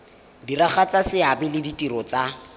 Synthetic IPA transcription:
diraχat͡sasɪabɪlɪditʼiɾɔt͡sa

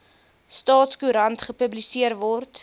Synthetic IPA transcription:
stɑːtskuɾɐntχəpəblisiərvɔrt

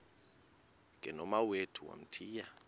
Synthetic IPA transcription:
ŋʱɛnɔmawetʰuwa̰m̩tʰiːja

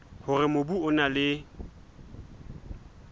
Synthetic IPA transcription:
hʊrɪmobuʊnalɪ

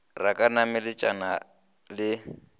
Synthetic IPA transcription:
rakʼanamɪlɪt͡ʃʼana | lɪ

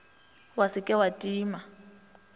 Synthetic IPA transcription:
wasɪkʼɛwatʼiːma

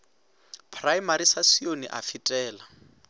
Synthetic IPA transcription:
pʰrajmaɾisasionḭʔafitʼɛːla

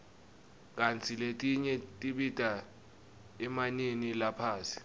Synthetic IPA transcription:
k̬ʼant͡sʰiletʼiɲɛtʼiɓitʼa | ɛmaninilapʰaːsi̥

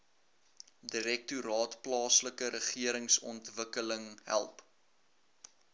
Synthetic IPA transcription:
diɾɛk̚tuɾɑːtplɑːsləkəɾəχiəɾəŋsɔ̰ntvəkələŋɦæ̰lˠp

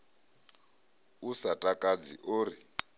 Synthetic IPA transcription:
usatʼakʼad͡zḭʔoːri

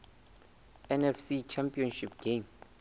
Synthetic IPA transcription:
ɛnɛfsit͡ʃʰampʼiɔnʃip̚ʰɡ̥em

